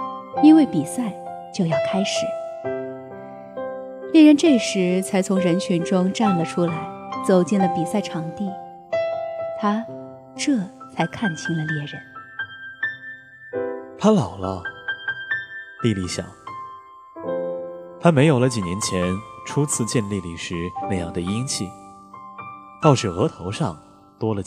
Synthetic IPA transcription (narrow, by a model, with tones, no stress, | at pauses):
i˥nwe˥˩ɪpi˨˩sa˥˩ɪ | t͡ɕjo˥˧ʊjɑ˥˩ʊkʰa˥ɪʂɻ̩˨˩˦ | ljɛ˥˧ɻə˥˧nʈ͡ʂɤ˥˩ʂɻ̩˧˥t͡sʰa˧˥ɪt͡sʰʊ˧˥ŋɻə˧˥nt͡ɕʰy˧˥nʈ͡ʂʊ˥ŋʈ͡ʂa˥˩nlə˩ʈ͡ʂʰu˥la˧˥ɪt͡so˨˩ʊt͡ɕi˥˩nlə˩pi˨˩sa˥˩ɪʈ͡ʂʰɑ˧˥ŋt̪i˥˩ | t̪ʰa˥ | ʈ͡ʂɤ˥˩t͡sʰa˧˥ɪkʰa˥˩nt͡ɕʰi˥ŋlə˧ljɛ˥˩ɻə̰˧˥˦n | t̪ʰa˥lɑ˨˩ʊlə˦ | li˥˧li˥˩ɕjɑ̰˨˩˦ŋ | t̪ʰa˥me˧˥ɪjo˨˩lə˦t͡ɕi˨˩njɛ˧˥nt͡ɕʰjɛ˧˥nʈ͡ʂʰu˥t͡sʰɹ̩˥˧t͡ɕjɛ˥˧nli˥˧li˨˩ʂɻ̩˧˥na˥˧jɑ˥˩ŋd̪ə˩i˥ŋt͡ɕʰi˥˩ | t̪ɑ˥˩ʊʂɻ̩˨˩ɤ˧˥t̪ʰo˧˥ʊʂɑ˥˩ŋ | t̪wɔ˥lə˨